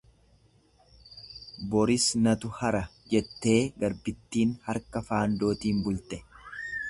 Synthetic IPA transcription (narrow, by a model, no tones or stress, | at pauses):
bɔɾɪsnɐt̪ʊhɐɾɐd͡ʒɛt̪ːe̞ːɡɐɾbɪt̪ːiːnhɐɾkɐfaːnd̪o̞ːt̪iːmbʊlt̪ɛ